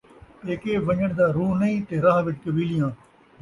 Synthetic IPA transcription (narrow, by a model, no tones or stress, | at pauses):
eːkeːʋəɲəɽd̪aːɾuːnɐĩːt̪eːɾaːɦʋɪt͡ʃkəbiːlɪjãː